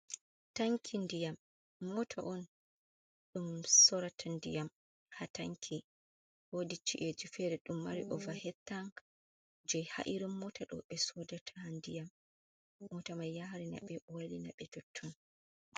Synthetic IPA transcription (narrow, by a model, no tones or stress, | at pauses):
taŋkʰindijamː | ɔtʰa̰ʔɔn | ɗumsɔɾatʰandijam | hataŋkʰi | wodit͡ʃiʔed͡ʒufɛɾɛɗumːaɾiʔɔvahɛtːaŋ | d͡ʒɛjha̰ʔiɾumːɔtʰaɗɔ̰ɓɛsɔdatʰandijamː | ɔtamajːahɾina̰ɓɛwalina̰ɓɛdɔtʰːɔn